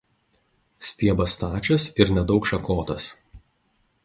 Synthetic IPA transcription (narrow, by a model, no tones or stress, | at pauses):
sʲt̪ʲiɛbɐst̪ɑːt͡ʃʲɛsɪɾnʲɛd̪ɒʊkʃɐkoːt̪ɐs